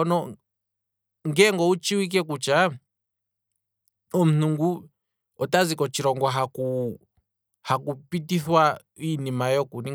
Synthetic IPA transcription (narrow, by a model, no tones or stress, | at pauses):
ɔnɔ | ŋɡɛŋɡɔut͡ʃiwik̬ɛk̬ut͡ʃa | ɔm̩nuŋɡu | ɔtazikɔt͡ʃiɾɔŋɡwaɦaku | hakupitiθwa | inimajɔkuni